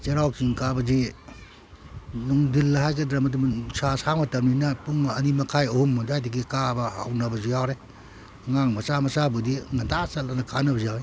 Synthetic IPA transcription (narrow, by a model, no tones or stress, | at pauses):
t͡ʃeɾawksiŋkabɐzi | nuŋdilːɐɦajɡɐdɾɐmɐdumŋsasamɐtɐmninɐpuŋɐnimɐkʰajohumːdajdiɡikabɐa̰wnɐbɐzijawɾe | ŋaŋmɐsamɐsabudiŋɐndasɐlanɐkʰanɐbɐzijawɾe